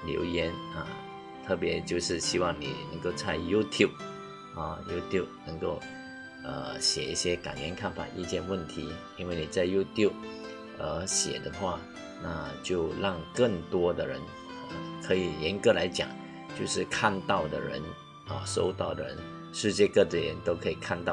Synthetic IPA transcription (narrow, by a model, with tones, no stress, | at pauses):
ljo̰˧˥ʊjɛ˧˥n˨˩ | t̪ʰɤ˥˩pjɛ˧˥t͡ɕjo˥˧ʊʂɻ̩˥˧ɕi˥wɑ˥˩ŋnḭ˨˩nə̰˧˥ŋko˥˧ʊt͡sʰa˥˧ɪju˥t̪ʰju˥˩p̚ | a˥˧˩ju˥t̪ʰju˥˩p̚nə˧˥ŋko˥˩ʊ | ə̰˩ɕjɛ˨˩i˥˩ɕjɛ˥ka̰˨˩njɛ˧˥nkʰa˥˩nfa̰˨˩ʔḭ˥˧t͡ɕjɛ˥˧nwə˥˩nt̪ʰi˧˥ | i˥nwe˥˩ɪni˨˩t͡sa˥˩ɪju˥t̪ʰju˥˩p̚ | ə˩ɕjɛ̰˨˩d̪ə˦xwa˥˩ | na˥˧t͡ɕjo˥˧ʊlɑ˥˩ŋkə˥˩ŋt̪wɔ˥d̪ə˨ɻə̰˧˦n | ə˨˩kʰɤ˧˥i˨˩jɛ˧˥nkɤ˧˥la˧˥ɪt͡ɕjɑ̰˨˩ŋ | t͡ɕjo˥˧ʊʂɻ̩˥˧kʰa˥˧nt̪ɑ˥˩ʊd̪ə̰˨ɻə̰˧˦n | ə̰˨˩ʂo̰˥ʊt̪ɑ˥˩ʊd̪ə˨˩ɻə̰˧˦n | ʂɻ̩˥˧t͡ɕjɛ˥˧kɤ˥˩də˩jɛ̰˧˥nt̪o˥ʊkʰɤ˧˥i˨˩kʰa˥˧nt̪ɑ˥˩